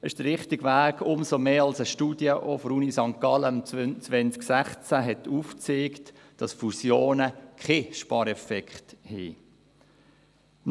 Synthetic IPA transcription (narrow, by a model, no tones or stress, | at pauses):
ɪʃd̥əɾɾɪχtɪɡvæːɡʊmsomeːɑlsəʃtuːd̥jəʔɔfɾuːnisɑŋkːɑləmt͡sʋɛnt͡sksæχt͡sæɦɛtuːft͡seːkt | d̥ɑsfusjoːnəkχeʃpɑːɾɛfɛkχthiː